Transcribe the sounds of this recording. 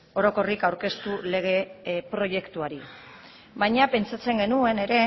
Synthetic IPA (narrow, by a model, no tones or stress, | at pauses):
o̞ɾo̞ko̞rikawɾke̞st̪ule̞ɣ̞e̞pɾo̞je̞kt̪uaɾi | βajɲape̞nt͡sat͡se̞ŋɡe̞nue̞ne̞ɾe̞